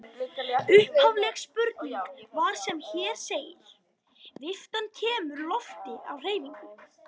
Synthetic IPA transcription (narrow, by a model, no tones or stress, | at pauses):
ʏhphavlɛxspʏɾt̪niŋkvaɾ̥sɛmçɛːɾ̥seːjɪ̰l | vɪft̪ancʰɛːmʏɾlɔft̪ɪʔa̰wr̥eːjviŋkʏ